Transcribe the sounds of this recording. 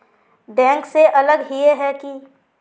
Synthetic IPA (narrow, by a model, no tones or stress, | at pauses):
ɖɛ̃ːŋkseʔɐləɡɦieɦɛki